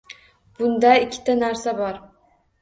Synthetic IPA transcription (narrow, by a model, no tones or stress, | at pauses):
b̥ʊnd̪aɪkʲʰːɪ̥t̪ʰanaɾsabɒɾ